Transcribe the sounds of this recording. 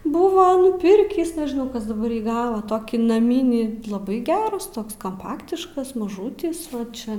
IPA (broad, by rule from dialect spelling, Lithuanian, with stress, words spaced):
ˈbʊʋɐ nʊˈpʲɪrʲkʲiːs nʲɛʒʲɪˈnɐʊ ˈkɐs dɐˈbɐr jiː ˈɡɑːʋɐ ˈtoːkʲiː nɐˈmʲiːnʲiː lˠɐˈbɐɪ ˈɡʲæːrɐs ˈtoːks kɐmˈpɑːktʲɪʃkɐs mɐˈʒuːtʲɪs ˈʋɐt ˈt͡ʃʲɛ